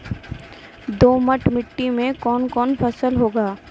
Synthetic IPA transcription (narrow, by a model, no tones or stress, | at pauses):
d̪oːməʈmɪʈːimẽkɔːnkɔːnpʰɐsəlɦoːɡaː